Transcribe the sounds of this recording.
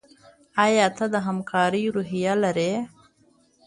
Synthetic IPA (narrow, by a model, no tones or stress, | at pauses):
ajɑt̪ad̪əɦamkʰɑːɾiɾuɦijalaɾe